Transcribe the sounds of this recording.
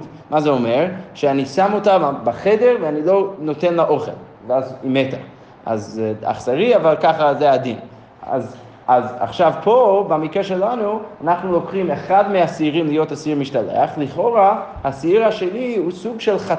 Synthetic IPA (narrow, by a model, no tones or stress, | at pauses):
mazeomeʁʃeanisamotabaχedeʁveanilo̞notenlaʔoχḛl | veazimeta | ʔa̰za̰χsaʁiavalkaχazead̪in | a̰z | aza̰χʃavpʰobamikʁeʃelanuanaχnulokχimeχadmeasːʁimlijo̞tasiʁmiʃtalḛaχliχo̞ʁa | hasiiʁaʃelihusuɡʃelχa